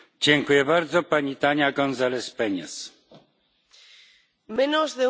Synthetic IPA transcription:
d͡ʑɛŋkujɛbaɾd̪zɔpaɲit̪aɲaɡɔnzalɛspɛɲɛ̰s | menozðe

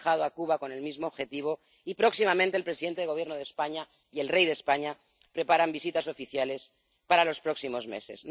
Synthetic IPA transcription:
xaðoakuβako̞ne̞lmizmo̞oβxe̞t̪iβ̞o̞ | ipɾo̞ksimament̪elpɾesiðent̪eeɣ̞je̞ɾno̞ð̞espaɲa | ie̞lre̞jðe̞spaɲa | pɾe̞paɾambisit̪aso̞fiθjale̞s | paɾalo̞spɾo̞ksimo̞zmḛse̞̰zn

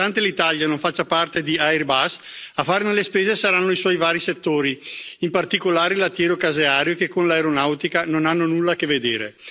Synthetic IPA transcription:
ant̪elit̪aljanoɱfat͡ʃːapart̪ed̪iajrbasafaːɾnelespeːzesaɾanːoiswɔjvaːɾiset̪ːoːɾiimpart̪ikolaːɾelːat̪ːjɛːɾokazeaːɾjokekːonlaeɾonawt̪ikanonanːonulːakevːed̪eːɾe

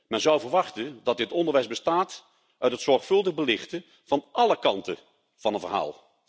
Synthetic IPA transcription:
mɛnzɔwvəɹʋɑχtəndɑt̚dɪtɔndəɹʋɛjzbəstaːt | ʔœɥtɦətsɔɹχfɵlˠdəχbəlɪχtə | v̥ɑnʔɑləkɑntə̰ | v̥ɑnənvəɹɦa̰ːlˠ

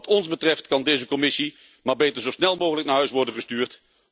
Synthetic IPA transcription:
tɔnzbətrɛftkɑndejzəkɔmɪsi | maːɹbejtəɹzowsnɛlˠmowɣələk̚naːɹɦœɥsʋɔɹdənχəstyːɹt

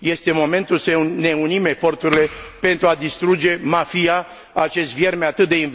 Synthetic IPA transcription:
je̞st̪e̞mo̞me̞nt̪ulsəne̞unime̞fo̞rt̪uɾile̞pe̞nt̪ɾuad̪ist̪ɾud͡ʒe̞mafija | at͡ʃe̞st̪vje̞rmeat̪ɨt̪̚d̪e̞in

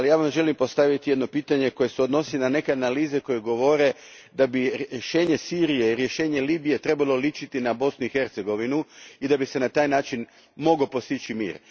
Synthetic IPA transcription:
alijaːʋamʒe̞limpo̞st̪aʋit̪ijed̪no̞piːt̪aɲe̞ko̞je̞seod̪no̞silnane̞ke̞analiːzeko̞jeɡo̞ʋo̞ɾe̞ | d̪abiʃe̞ːɲe̞siːɾije̞iɾje̞ʃe̞ːɲe̞liːbije̞t̪ɾe̞balˠo̞lit͡ʃit̪inabo̞snuixe̞ɾt̪seɡo̞ʋinuid̪abise̞nat̪aːjnaːt͡ʃin | mo̞ɡo̞po̞st̪it͡ʃimḭːɾ

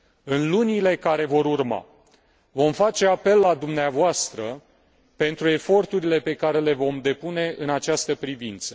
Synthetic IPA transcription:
ɨnlunile̞kaɾe̞vo̞ɾurma̰ | vo̞mfat͡ʃe̞ape̞lːad̪umneavoast̪ɾə | pe̞nt̪ɾue̞fo̞rt̪uɾile̞pe̞kaɾe̞le̞vo̞md̪e̞pune̞ɨnat͡ʃast̪əpɾivint̪sə̥

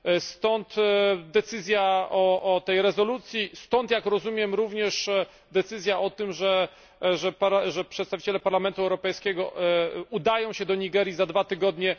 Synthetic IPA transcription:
st̪ɔnt̪d̪ɛt̪sɘzʲjaɔʔɔt̪ɛjɾɛzɔlut̪sʲjist̪ɔnt̪jakɾɔzumʲjɛmɾuvɲɛʂ | d̪ɛt̪sɘzʲjaʔɔt̪ɘmʐɛ | ʐɛpaɾaʐɛpʂɛt̪st̪avʲi̥t͡ɕɛlɛpaɾlamɛnt̪uɛwɾɔpɛjskʲɛɡɔud̪ajɔ̃w̃ɕɛd̪ɔɲiɡɛɾʲjizad̪vat̪ɘɡɔd̪ɲɛ

